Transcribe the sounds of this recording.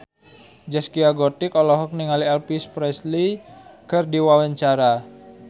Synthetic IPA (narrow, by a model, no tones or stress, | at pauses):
d͡ʒɛskiaɡɔt̪ɪkɔlɔɦɔk̚niŋaliɛlpispɾɛslikɨrdiwawaɲt͡ʃaɾa